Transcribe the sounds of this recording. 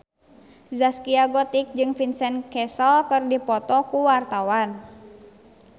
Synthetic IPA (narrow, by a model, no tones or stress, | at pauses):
zaskiaɡɔt̪ik̚d͡ʒɨŋfinsɛnkɛsɔlkɨrdipɔt̪ɔkuwart̪awan